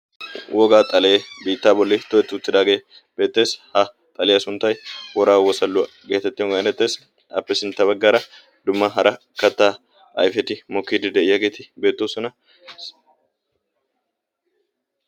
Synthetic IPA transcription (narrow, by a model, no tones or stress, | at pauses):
wɔɡaːt̪ʼɐle̞ːbiːt̪ːaːbɔlːɪt̪ɔɛt̪ːɪʊt̪ːɪd̪aːɡe̞ː | b̥e̞ːt̪ːe̞ːshɐ | t̪ʼɐlɛjɐsʊnt̪ːɐjwɔɾaːwɔsɐlːʊ | ɡe̞ːt̪ɛt̪ːɪɔŋɡɐnɛt̪ːeːs | ɐ̰pːɛsɪnt̪ːɐbɐɡːaɾɐ | d̪ʊmːɐɦɐɾɐ | kɐt̪ːaː | ɐ̰jfɛt̪ɪmɔkːiːd̪ɪd̪ɛɪjːɐɡe̞ːt̪ɪbe̞ːt̪ːoːsɔnɐ